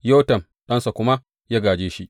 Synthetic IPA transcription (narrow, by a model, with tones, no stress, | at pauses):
jo˦wtɐ˨m | ɗɐ˦nsa˨kʷʊ˦ma˦ | jaː˦ɡaː˨d͡ʒeː˦ʃi˦ʔ